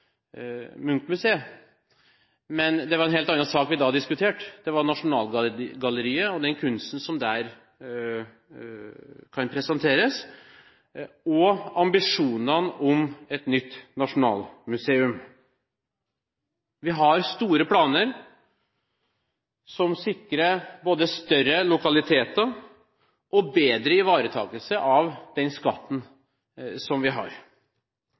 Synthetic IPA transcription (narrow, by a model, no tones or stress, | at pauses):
mʉŋkt̪mʉseːə | mɛnd̪ɛʋɑɾɛnɦeːlt̪ɑnːɑnsɑːkʋɪd̪ɑd̪ɪskʉt̪ʰeːʈd̪̥ɛʋɑɾɳɑʂʊnɑːlɡɑləɾiːəɔd̪ɛnkʰʉnst̪n̩sɔmd̪æɾ | kʰɑnpʰɾɛsɛnt̪ʰeːɾəs | ɔɑmbɪʂuːnənɔmɛt̪nʏt̪ːnɑʂʊnɑ̰ːlmʉseːʉm | ʋɪɦɑɾst̪uːɾəpʰlɑːnəɾ | sɔmsɪkːɾəboːd̪əst̪œrəlʊkɑlɪt̪ʰeːt̪ə | ʔɔbeːd̪ɾəɪʋɑːɾət̪ʰɑ̰ːɡəlsəʔɑʋd̪̥ɛnskɑt̪ːn̩ | sɔmʋɪɦɑ̰ɾ